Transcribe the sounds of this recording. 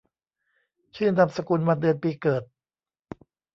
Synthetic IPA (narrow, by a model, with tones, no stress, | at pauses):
t͡ɕʰɯː˥˩nda˨˩p̚sa˧ku˧nmaː˧dɯ˧ənpiː˧kɤː˨˩t̪̚